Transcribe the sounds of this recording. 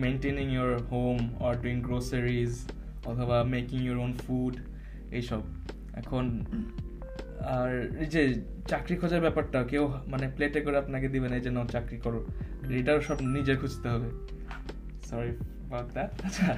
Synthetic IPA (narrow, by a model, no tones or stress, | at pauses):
menʈeniŋjɔɹhomɔɹduiŋɡɹosəɹiz | ɔt̪ʰɔbamekiŋjɔɹonfuɖ | ejʃɔb̚ | ɛ̰kʰon | aɹid͡ʑe | t͡ʃakɹikʰɔd͡ʒaɹbɛpaʈaokewmanepletekɔɹɛapnak̬ed̪ibɛned͡ʒɛnot͡ʃakɹikɔɹũeʈaɹsɔbnid͡ʑekʰud͡ʑt̪eɦɔbe | sɔɹi | bat̪d̪aaʃʰa